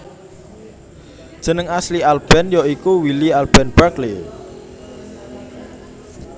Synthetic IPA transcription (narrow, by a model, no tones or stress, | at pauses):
d̥ʒ̥ə̤nəŋaslialb̥ɛ̤njɔikuwilialb̥ɛnb̥akle